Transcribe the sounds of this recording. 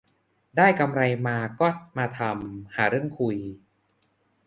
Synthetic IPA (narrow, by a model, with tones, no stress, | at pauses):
daː˥˩jka˧mɾa˧jmaː˧kɔː˥˩maː˧t̪ʰa˧mhaː˩˦ɾɯ˥˩əŋkʰu˧j